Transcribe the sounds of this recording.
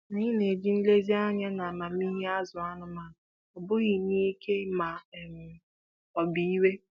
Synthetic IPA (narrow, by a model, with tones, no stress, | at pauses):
ni˦ɪ˦ne˨d͡ʒi˦n̩˦le˦zi˦a˦ɲa˦na˨ma˨mi˦ɦe˦a˦zʊ˨a˦nʊ˦ma˨ | ɔ˨bʊ˦ɣɪ˨ni˦kʰe˦ma˨m̩˨ | ɔ˨bi˦i˦we˦